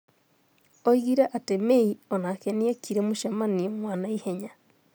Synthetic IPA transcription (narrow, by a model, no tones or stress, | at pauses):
oiɣiɾaʔatemeiɔnakɛniakʰiɾemoʃamaniɔmwaːnaihɛɲa